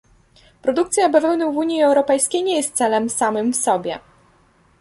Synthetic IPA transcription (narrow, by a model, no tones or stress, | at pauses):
pɾɔd̪ukt̪sʲjabavɛnuwvuɲiɛwɾɔpɛjskʲejɲejɛst̪t̪sɛlɛmsamɘmfsɔbʲjɛ̰